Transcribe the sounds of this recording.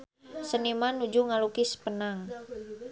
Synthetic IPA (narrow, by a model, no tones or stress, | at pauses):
sənimanud͡ʒuŋalukispənaŋ